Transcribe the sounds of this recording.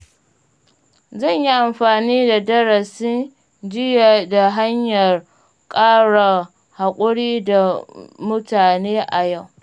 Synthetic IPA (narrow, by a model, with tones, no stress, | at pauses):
zɐ˦˨ɲji˦ʔa˨mɸaː˨niː˦da˨dɐ˦ɾɐ˨sɪ˦n | d͡ʒɪ˦ja˨da˨ɦa˦ɲjɐ˨r | kʼaː˦ɽa˨ | ha˨kʷʼʊ˦ɽiː˦da˨mʊ˦taː˨neː˦ʔa˨ja˦˨w